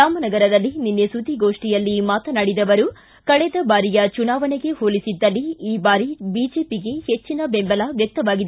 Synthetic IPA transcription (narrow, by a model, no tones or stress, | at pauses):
ɾaːmɐnɐɡɐɾɐd̪ɐlːininːesud̪ʱiɡo̞ːʂʈijɐlːimaːt̪ɐnaɽid̪ɐʋɐɾu | kɐɭɛd̪ɐbaːɾijɐt͡ʃunaːʋɐneɡe̞hoːlisid̪ːɐlːiiːbaːɾibiːd͡ʒe̞ːpiɡe̞het͡ʃːinɐbembɐlɐʋjɐk̚t̪ɐʋaːɡid̪e